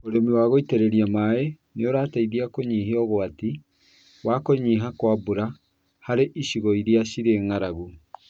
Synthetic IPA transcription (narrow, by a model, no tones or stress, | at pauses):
oɾemiwaːɣoiteɾɛɾiamae | neoɾaːtaiðiakoɲiɦeɔɣoati | wakoɲiɦakwabuɾa | haɾeʔiʃiɣɔiɾiaɕiɾeŋaɾaɣu